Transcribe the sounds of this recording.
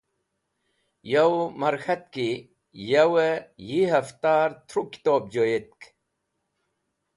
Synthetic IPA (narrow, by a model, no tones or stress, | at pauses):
jɐwmɐɾxɐt̪̚ki | jɐwəjiɦɐft̪aːɾt̪ʰɾuki̥t̪oːb̚d͡ʑojet̪̚k